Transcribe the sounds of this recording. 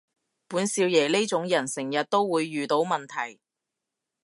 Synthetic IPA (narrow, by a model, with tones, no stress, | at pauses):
puː˨˥nsiː˧wjɛː˨˩le˥t͡sʊ˨˧˥ŋjɐ˨˩nsɪ˨˩ŋjɐ˨t̚t̪o˥wːuː˨˧jːyː˨t̪o˨˥wmɐ˨nt̪ʰɐ˨˩j